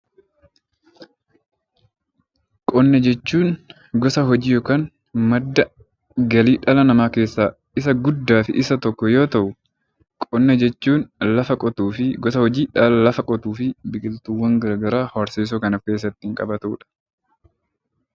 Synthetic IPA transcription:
kʼɔnːɛd͡ʒɛt͡ʃːuːn | ɡɔsɐɦɔd͡ʒiːjoːkaːn | mɐd̪ːɐ | ɡɐliːᶑɐlɐnɐmaːke̞ːsːaː | ɪsɐɡʊd̪ːaːfɪʔɪsɐt̪ɔkːɔjo̞ːt̪ɐʔʊ | kʼɔnːɛd͡ʒɛt͡ʃːuːnlɐfɐkʼɔt̪uːfɪɡɔsɐhɔd͡ʒiːᶑɐllɐfɐkʼɔt̪uːfɪbɪkʼɪlt̪uwːɐŋɡɐɾɐɡɐɾaːhɐɾseːs̬oːkɐnɐfke̞ːs̬ːɐt̪ːɪɪŋkʼɐbɐt̪uːᶑɐ̥

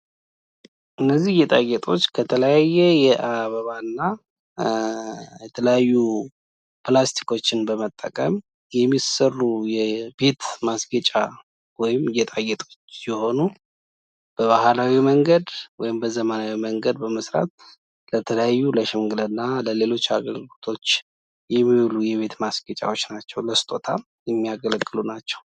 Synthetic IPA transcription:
ʔɨnːəzːihjɛt̪ʼaɡɛt̪ʼo̞t͡ʃːkʰət̪ʰələjajːɛjɛʔaβəβanːa | jɛt̪ʰələjajːu | plast̪ʰi̥ko̞t͡ʃːɪnbəmət̪ʼːə̰kʼəm | jɛmːisərːujɛbe̞t̪masɡət͡ʃʼa | wɔjɪmjɛt̪ʼaɡɛt̪ʼo̞t͡ʃːjɛho̞nu | b̥əβahalawiməŋɡəd̪wɔjɪmbəzəmənawiməŋɡəd̪bəməsɾa̰t̪̚ | lət̪ʰələjajːuləʃɪmɡɨlənːaləle̞lo̞t͡ʃːa̰ɡəlɡɨlot̪ʰo̞t͡ʃː | jɛmːiulujɛβe̞t̪masɡət͡ʃʼa̰wo̞t͡ʃːnat͡ʃːɛwləst̪ʼo̞t̪ʰa | jɛmːijaɡələɡːɨlunat͡ʃːɛ̥w

